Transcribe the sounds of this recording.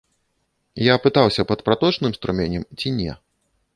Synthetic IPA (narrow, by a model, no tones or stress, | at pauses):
japɨt̪awsʲɐpɐt̪̚pɾat̪ɔt͡ʂnɨmst̪ɾumʲenʲɛmt͡sʲinʲɛ̰